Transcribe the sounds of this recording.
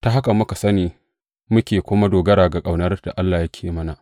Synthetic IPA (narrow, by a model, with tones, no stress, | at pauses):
ta˨ɦa˦kɐ˨mːʊ˦ka˨sɐ˦niː˨ | mʊ˦kʲeː˨kʷʊ˦ma˦doː˨ɡɐ˦ɾaː˨ɡa˨kʼa˨wnɐ˦rd̥a̰˨ʔa˦lːaː˨jɐ˦kʲʰeː˨mɐ˦na˨